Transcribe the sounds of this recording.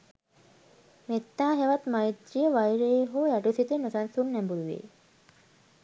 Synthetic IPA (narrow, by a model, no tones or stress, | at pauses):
met̪ːaːɦeʋat̪majt̪ɾijəʋajɾeːɦoːjaʈusit̪unosansunːæmbuluʋḛː